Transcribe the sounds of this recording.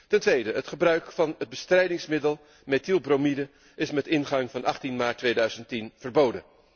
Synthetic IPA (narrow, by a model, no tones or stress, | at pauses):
tɛntʋejdəətχəbrœɥkfɑnəd̚bəstrɛjdɪŋsmɪdəlˠ | metilˠbromidə | ɪsmɛtɪnχɑŋvɑnʔɑχtinmaːɹtʋejdœɥzəntinv̥əɹbowdə̰n